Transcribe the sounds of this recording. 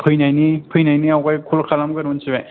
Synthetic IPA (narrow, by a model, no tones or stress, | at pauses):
pʰɯjnajnipʰɯjnajniawkajkʰulkʰalamɡɯɾunsʰibe